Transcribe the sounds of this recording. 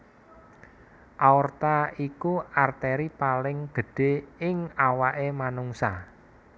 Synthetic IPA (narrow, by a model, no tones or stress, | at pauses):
ʔaɔrt̪aikuart̪ɛɾipalɪŋɡ̥ə̤ɖ̥e̤ɪŋawaʔemanuŋsa